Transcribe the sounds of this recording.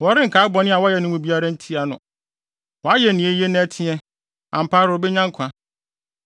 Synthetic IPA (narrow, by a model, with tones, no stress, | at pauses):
wɔ˨ɾɪ˦ŋ̩˨kʰaː˨˦bɔ˨nɪ̃˦a˨wɔ˦jɛ˨nʊ̃˨mũ˨bi˦a˨ɾa˦n̩˦tʰi˦a˨nʊ̃˨ | wɔ˨a˦jɛ˨nĩ˨e˦je˦nã˦tʰɪ̃˦ɛ̃˦ | ã˨m̩˨pʰaː˦ɾo˨bɛ˦ɲã˦ŋ˦kʷʰã˨˦